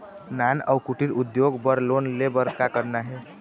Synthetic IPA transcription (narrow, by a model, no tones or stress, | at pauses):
nanə̰wkuʈiɾud̪joɡbəɾlonlebəɾkakəɾnaɦe